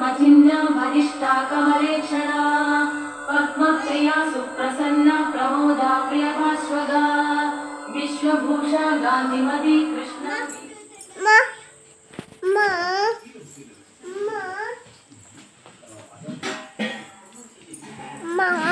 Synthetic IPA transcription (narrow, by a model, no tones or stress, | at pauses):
mɐt̪ʰinːɐbʱɐd̪iʂʈʰaːkɐmɐɾeːkʂɐɽaː | pɐt̪mɐt̪ɐjaːsuɾɐsɐnːɐpɾɐboːd̪ʱaːpɾijɐb̪aːsʋɐd̪ʱaː | ʋiʃʋɐbʱuːʂaːɡaːnd̪ʱimɐt̪ikɾɪʂɳɐ | m | m | m | mɐ